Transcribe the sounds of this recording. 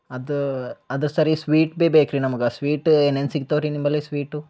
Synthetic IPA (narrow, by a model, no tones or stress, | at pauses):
ɐd̪uɐd̪ɐɾsɐɾisʋiːʈbeːbeːkɾinɐmɐɡɐsʋiːʈenensiɡt̪ɐʋɾinimbɐlisʋiːʈu